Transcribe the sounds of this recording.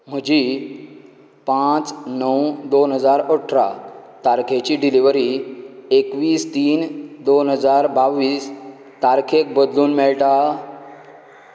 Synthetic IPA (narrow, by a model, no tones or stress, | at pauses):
m̤əd͡ʑiː | pãt͡snəwd̪onɦəd͡zaɾoʈʰɾa̰t̪aɾkʰet͡ɕiːɖiliʋɾiekʋiːst̪iːnd̪onɦəd͡zaɾbaʋːiːs | t̪aɾkʰek̚bəd̪luːnmɛɭʈa